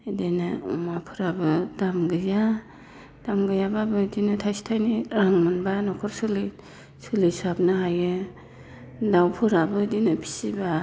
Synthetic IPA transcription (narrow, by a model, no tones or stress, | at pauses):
idenɯmapʰɯɾabɯdamɡɯja | d̥amɡɯjababɯdinɯtʰajsi̥tʰajniɾaŋmɯnbanɔkʰɔɾsɯli | sɯlisab̚nɯɦajɯ | dawpʰɯɾabɯdinɯpʰi̥siba